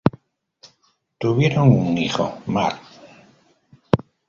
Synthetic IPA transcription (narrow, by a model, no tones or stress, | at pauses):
t̪uβjeɾoŋuŋixo̰ma̰l